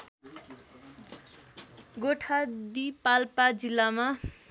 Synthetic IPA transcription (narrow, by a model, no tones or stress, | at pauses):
ɡoʈʰad̪ipalpad͡zilːama